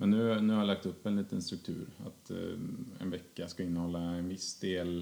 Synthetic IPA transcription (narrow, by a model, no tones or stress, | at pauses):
mɛnːʉ̟ːnʉːhaɾjalak̚t̪ɵpːɛnliːt̪ənst̪ɾɵk̚t̪ʰʉ̟̰ːɾa̰t̪ | ɛ̰nvɛkːaskaɪnːəhɔlːaɛnvɪsd̪eːl